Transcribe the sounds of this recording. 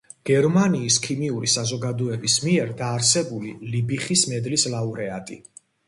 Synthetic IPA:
ɡ̥ɛɾmaniːskʰimiuɾisazɔɡad̪ɔɛbismiɛɾd̪aːɾsɛbulilibiχismɛd̪lislauɾɛat̪ʼḭ

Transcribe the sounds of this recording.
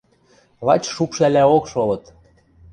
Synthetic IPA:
lˠɑ̰t͡ɕʃupʃælæokʃolɤ̆t̪

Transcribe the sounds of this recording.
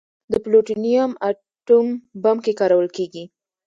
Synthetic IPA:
d̪əploʈinijama | ʈumbamkekɑɾawəlkeɡi

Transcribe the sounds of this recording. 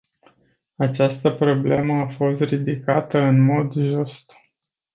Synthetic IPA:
at͡ʃast̪əpɾo̞ble̞məafo̞st̪rid̪ikat̪əɨnmo̞d̪ʒust̪

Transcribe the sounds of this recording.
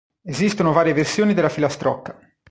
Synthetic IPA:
ezist̪onovaːɾjeversjoːnid̪elːafilast̪ɾɔkːḁ

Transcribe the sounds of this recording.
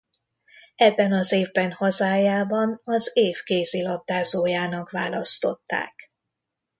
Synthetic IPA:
ɛbːɛnɒzeːvbɛnhɒzaːjaːbɒnɒzeːfkeːzilɒb̚d̪aːzoːjaːnɒkʋaːlɒst̪o̞̰t̪ːa̰ːk

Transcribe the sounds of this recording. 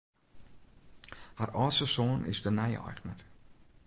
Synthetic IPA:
harɔːsəsoːnʔɪ̰sdənɛjɔ̰jxnə̰r

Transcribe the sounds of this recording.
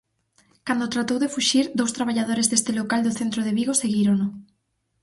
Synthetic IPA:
kand̪ot̪ɾat̪owðefuʃiɾd̪owst̪ɾaβaʎað̞oɾezðest̪elokald̪oθent̪ɾoð̞eβiɣoseɣiɾono

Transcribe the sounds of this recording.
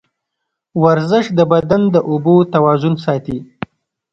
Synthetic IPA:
waɾzɪʃd̪əbad̪and̪əʔubot̪awɑzʊnsɑt̪i

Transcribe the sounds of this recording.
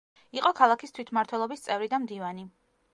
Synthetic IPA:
iqʼɔkʰalˠakʰist̪ʰwit̪ʰmaɾt̪ʰwɛlˠɔbist̪sʼɛvɾid̪amd̪ivani

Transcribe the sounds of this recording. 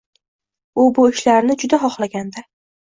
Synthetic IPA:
ʊbʊɪʃlaɾnɪd͡ʒʊd̪aχɒχlˠaɡʲand̪a

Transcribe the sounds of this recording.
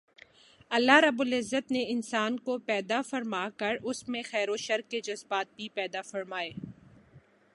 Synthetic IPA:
ɐlːaɾɐbʊlɪzːət̪neɪnsaːnkopɛːd̪afɐɾmaːkɐɾʊsmẽxɛːɾoʃɐɾkːed͡ʒɐzbaːt̪̚bʱipɛːd̪afɐɾmaːeː

